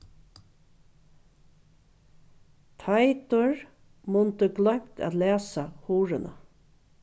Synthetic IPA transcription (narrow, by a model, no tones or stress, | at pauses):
t̪ʰajt̪ʊɹ | mʊnt̪əɡlœm̥t̪æ̰ːt̪leːsahuːɾənʔə̰